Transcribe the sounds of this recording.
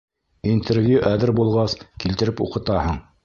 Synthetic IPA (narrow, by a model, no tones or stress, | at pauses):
int̪ʰervʲjuʔæðɘɾbulˠʁɑskilt̪ɘ̆ɾɘpṵqɤ̆t̪ɑhɤɴ